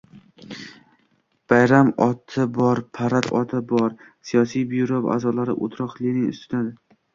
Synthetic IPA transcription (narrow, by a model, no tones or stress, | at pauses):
b̥ajɾamɒt̪ʰɪbɒɾpʰaɾat̪ɒ̰t̪ʰɪbɒɾ | sijɒsijbiuɾovʔa̰zɒlaɾɪ̰ʔo̰t̪ʰɾɒqlˠɪnɪŋʊ̰st̪ʰʊnad̪ɪ